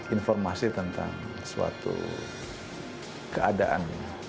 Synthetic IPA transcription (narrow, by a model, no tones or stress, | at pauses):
infɔrmasit̪ənt̪a̰ŋ | sua̰t̪ṵ | kəadaʔa̰nɲa